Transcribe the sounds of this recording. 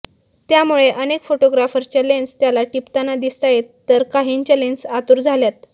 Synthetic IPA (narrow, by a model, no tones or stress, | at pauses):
t̪jamuɭeʔənekfoʈoɡɾafəɾt͡ɕalenst̪jalaʈipt̪anad̪ist̪ajet̪ːəɾkaɦiɲt͡ɕjalensat̪uɾd͡zʱaljat̪